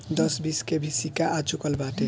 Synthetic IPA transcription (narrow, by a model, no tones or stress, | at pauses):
d̪ʌsbiskebʱisikaʔat͡ʃukəlbaʈe